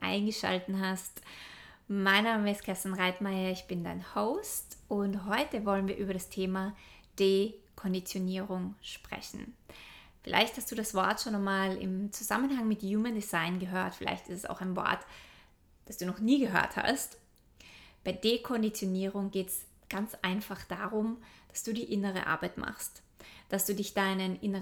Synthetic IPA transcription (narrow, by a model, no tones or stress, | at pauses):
ʔa̰ɪnɡəʃa̰ltn̩ɦast | maɪnːaːməɪstkʰastanʁaɪtmaɪɐɪçb̥ɪnda̰ɪnhoʊstʔʊntɦɔʏtəvɔlənviːɐʔyːbɐɾastʰeːmad̥eːkʰɔndit͡sjoniːʁʊŋʃpʁ̥ɛ̰çn̩ | fɪlʔa̰ɪçthastd̥uːɾasv̥ɔɐtʃoːnɔmaːlɪ̰mt͡suza̰mənɦaŋmɪtjuːməndizaɪnɡəɦøːɐtfɪla̰ɪçtɪ̥stɛsa̰ʊxaɪnvɔ̰ɐt | d̥asd̥uːnɔχniːɡəɦø̰ːɐtha̰st | b̥aɪdekʰɔndit͡sjoniːʁʊŋɡeːts | ɡ̥ant͡sʔaɪnfaχd̥aːʁʊmd̥ḁsd̥uːdiːʔɪnəʁ̞ə̰ʔa̰ɐbaɪtmʔa̰χst | d̥asd̥uːdɪçd̥aɪnənʔɪnə